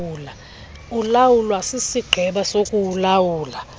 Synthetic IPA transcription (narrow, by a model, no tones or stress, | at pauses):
uːla | ulawulwasisiɡ͡ǃʱɛɓasokʼuwulawuːla